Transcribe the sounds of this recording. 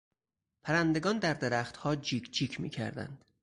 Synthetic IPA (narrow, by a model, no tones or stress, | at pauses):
pʰæɾænd̪e̞ɡɒːnd̪æɾd̪e̞ɾæxt̪hɒːd͡ʒiːkʰd͡ʒiːkʰmḭːcʰæ̰ɾd̪æ̰nd̪̥